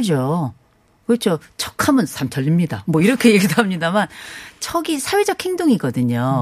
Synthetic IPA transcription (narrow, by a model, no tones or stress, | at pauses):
ɯd͡ʑo | kʌt͡ɕ͈ʰot͡ɕʰʌkʰamɯnsʰamt͡ɕʰʌʎːimɲidamwʌiɾʌkʰe̞jeɡidoɦamɲidamant͡ɕʰʌɡisʰawe̞d͡ʑʌkʰhe̞ŋdoŋiɡʌdɯɲo